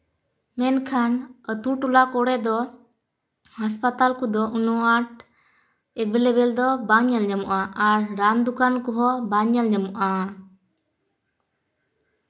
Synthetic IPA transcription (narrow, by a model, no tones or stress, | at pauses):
mɛnkʰanət̪uʈulakɔɽɛd̪ɔ | haspat̪alkud̪ɔʔunuaʈ | ɛbɛlɛbɛld̪ɔbaɲəlɲəmuʔaʔaɾːand̪ukankɔɦɔbaɲəlɲəmuʔa